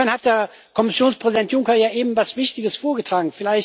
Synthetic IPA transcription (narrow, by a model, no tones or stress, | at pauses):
ɛɐnhat̚d̥eːɐ | kʰɔmɪsjoːnspʁ̥ɛzidɛntjʊŋkɐjaːʔeːbm̩vasv̥ɪçtɪɡəsfoːɐɡətʁ̥aːɡŋ̩fɪlaɪç